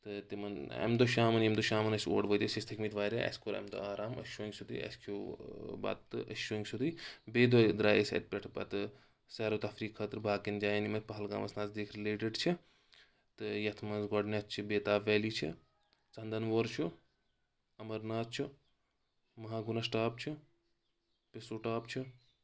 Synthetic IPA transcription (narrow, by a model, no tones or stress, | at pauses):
t̪ɨt̪imɐnɐ̰md̪oʃaːmɐnjɐmd̪oʃaːmɐnɐso̰ːɖʋət̪ɐsist̪ʰɐkmit̪ʋaːɾʲa̰ʔɐ̰skoɾɐ̰md̪o̰aːɾaːmɐ̰ʃoːŋɡsud̪ḭɐ̰skʰuːbɐ̰t̪ːɨ̰ʔɐ̰ʃoːŋɡsud̪ibeːd̪od̪ɾaːesʲɐ̰t̪̚pʲeʈʰpɐ̰t̪ɨ | sɛɾoːt̪ɐfɾiːkʰɐt̪ɾbʱaːkind͡ʒaːjenimɐt̪̚ʲpɐɦɐlɡa̰ːmɐ̰snaːzd̪eːkʰɾileːʈeɖt͡ʃʰi | t̪ɨjɐt̪ʰmɐnzɡɔɖnʲat͡st͡ʃʰibeːt̪aːʋʋɛːliːt͡ʃʰḭ | t͡sɐnd̪ɐnʋoɾt͡ʃʰu | ɐmɐɾnaːzt͡ʃʰi | mɐɦaːɡunɐsʈaːpt͡ʃʰi | pesuːʈaːpt͡ʃʰi